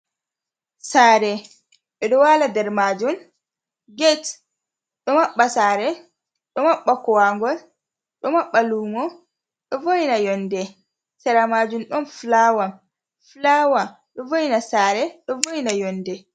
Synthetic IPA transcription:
saːɾɛ | ɓɛɗɔwaladɛɾmad͡ʒum | ɡɛt | ɗɔmaɓːasaːɾɛ | ɗɔmaɓːakɔwaŋɡɔl | ɗɔmaɓːaluːmɔ | ɗɔvojnajɔndɛ | saɾamaːd͡ʒumɗɔnflawam | flawa | ɗɔvojnasaːɾɛɗɔvojnajɔndɛ

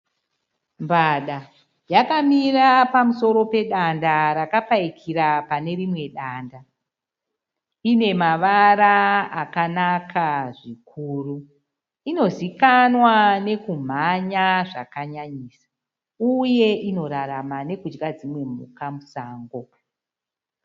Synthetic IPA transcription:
mbaɗa | jakamirapamuso̞ɾo̞pe̞ɗandaɾakapaikʰiɾapane̞rimwe̞ɗaːnda | ine̞maʋaɾaːkanakʰaʐikʰuːru | ino̞zikanwane̞kum̤aɲaʐa̰kaɲaɲiːsḁ | uje̞ʔino̞ɾaɾamane̞kud͡ʒɡad͡zimwe̞mṵkamusaːŋɡo̞

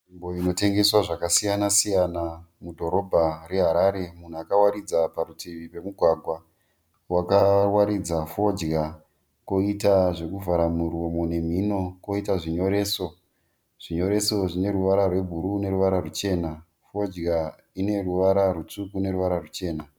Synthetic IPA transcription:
ʐimbo̞ino̞te̞ŋɡe̞swaʐakasijanasijanamudʱoɾo̞bʱare̞ɦaɾaːɾemun̤uakawaɾid͡zapaɾutiʋipe̞muɡʱwaɡʱwa | wakawaɾid͡zafo̞d͡ʒɡa | ko̞itaʐe̞kuvaɾamuromone̞m̤ino̞ko̞itaʐiɲo̞ɾe̞ːso | ʐ̥iɲo̞ɾe̞so̞ʐine̞ɾuʋaɾarwe̞bʱuɾune̞ɾuʋaɾarut͡ʃe̞ːna | fo̞d͡ʒɡa | ine̞ruʋaɾarut͡sukune̞ɾuʋaɾarut͡ʃe̞ːna

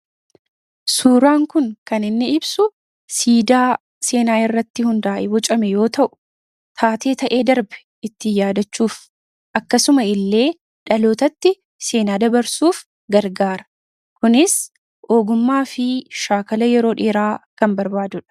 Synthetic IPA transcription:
suːɾaːŋkʊŋkɐnɪnːɪɪbsʊ | siːd̪aː | se̞ːnaːɪrːɐt̪ːɪhʊnd̪aːʔɛbɔt͡ʃʼɐmɛjo̞ːt̪ɐʔʊ̥ | t̪ʰaːt̪ʰe̞ːt̪ɐʔe̞ːd̪ɐɾbɛ̥ | ɪt̪ːɪjaːd̪ɐt͡ʃːuːf | ʔɐkːɐsʊmɐɪlːe̞ː | ᶑɐlo̞ːt̪ɐt̪ːɪ | se̞ːnaːd̪ɐbɐɾsuːf | ɡɐɾɡaːɾɐ̥ | kʊnɪs | ʔo̞ːɡʊmːaːfɪʃaːkɐlɐjɛɾo̞ːᶑeːɾaːkɐmbɐɾbaːd̪ʊᶑɐ̥

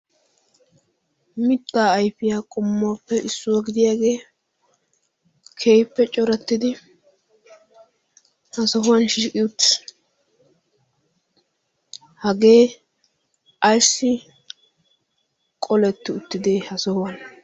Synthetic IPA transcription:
mɪt̪ːaːjpɪjaːkʼʊmːaːpːɛʔɪsːʊwaɡɪd̪ɪjaːɡe̞ː | kʰejpːɛt͡ʃʼɔɾɐt̪ːɪd̪ɪ | hɐsɔɦʊwɐnʃiːkʼɪjʊt̪ːɪ̥ | hɐɡeː | ʔɐjsːɪ | kʼɔlɛt̪ːɪʊt̪ːɪd̪eːhɐsɔhʊwɐn

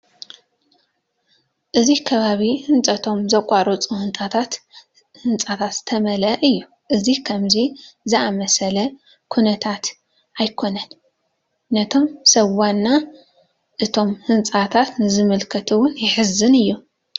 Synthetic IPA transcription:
ʔɨzikʰɐβaβihɨnt͡sʼɐt̪ʰo̞mzɐkʷʼːaɾʔɐt͡sʼuhɨnt̪ʼat̪ʰat̪ | hɨnt͡sʼat̪ʰat̪zt̪ʰɐmɐlɐʔɨjːu | ʔɨzikʰɐmzizɨamɐsɐlɐ | kʰunɐt̪ʰat̪ | ʔajkʰo̞nɐnː | ɐt̪ʰo̞msɐwːanːa | ʔɨt̪ʰo̞mhɨnt͡sʼat̪ʰat̪nɨzɨmɨlkʰɐt̪ʰɨwʊnjɪħɨzːɨnɨjːu

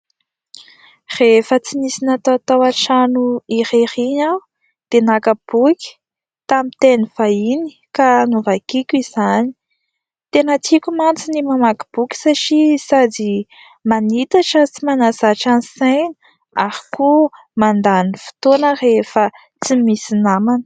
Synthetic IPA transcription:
refət͡simisinat̪aat̪awaʈ͡ʂanuiɾeɾiɲa | d̪̥enakəb̥ukʲi̥ | t̪amit̪eniv̥aini̥kanuvakikʲiz̥ani̥ | t̪enat͡sikʲumant͡sinimamaki̥b̥ukʲi̥saʈ͡ʂisad͡zi | manit̪aʈ͡ʂət͡simanazaʈ͡ʂanisajnə̥ | aɾi̥ku | mand̪anifi̥t̪onərefə | t͡simisinamanə̥

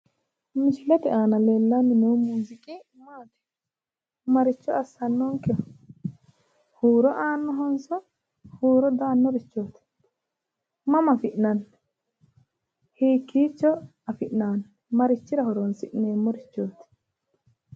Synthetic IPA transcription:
mɪʃɪlɛt̪ɛʔaːnɐleːlːanːɪnuːmuːzɪkʼi | maːt̪ɛ̥ | mɐɾɪt͡ʃːɔɐsːɐnːɔŋkɛ | huːɾɔʔaːnːɔɦɔnsɔ | huːɾɔd̪aːnːɔɾɪt͡ʃːoːt̪ɪ̥ | mɐmɐfɪʔnɐnː | hiːkːiːt͡ʃːɔ | ɐfɪʔnaːn | mɐɾɪt͡ʃːɪɾɐhɔɾɔnsɪʔneːmːɔɾɪt͡ʃːoːt̪ɪ̥

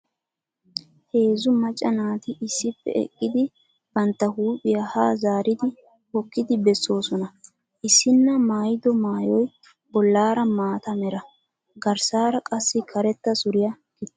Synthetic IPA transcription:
he̞ːzʊmɐt͡ʃʼːɐnaːt̪ɪʔɪsːɪpːɛ̰ɛ̰kʼːɪd̪ɪ | b̥ɐnt̪ːɐhuːpʼɪjahaːzaːɾɪd̪ɪ | hɔkːɪd̪ɪbɛsːo̞ːsɔnɐ | ʔɪsːɪnːɐmaːjɪd̪ɔmaːjɔj | b̥ɔlːaːɾɐmaːt̪ɐmɛɾɐ | ɡɐɾsaːɾɐkʼɐsːɪkʰɐɾɛt̪ːɐsʊɾɪjɐ | kɪt̪ː

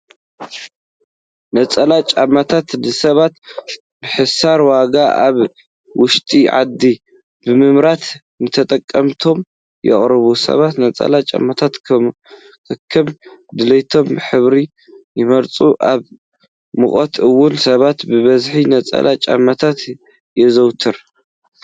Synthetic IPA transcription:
nɐt͡sʼɐlat͡ʃʼamːat̪ʰat̪nɨsɐβat̪ | bɨħɨsaɾwaɡaʔaβ | wʊʃt̪ʼiʕa̰d̪ːi | bɨmɨmɾat̪ | nɨt̪ʰɐt̪ʼɐkʼːɐmt̪ʰo̞m | jɛ̰χʼɾɨβusɐ̰βat̪nɐt͡sʼɐ̰lat͡ʃʼa̰mːat̪ʰat̪ | kʰɨkʰːɨmd̪ɨlɐjt̪ʰo̞mɨħɨβɾi | jɪmɐɾt͡sʼuʔaβ | mɨχʼot̪ɨwːʊnsɐβat̪bɨβɐzħinɐt͡sʼɐ̰lat͡ʃʼa̰mːat̪ʰat̪ | jɛzɐwt̪ʰɨɾ

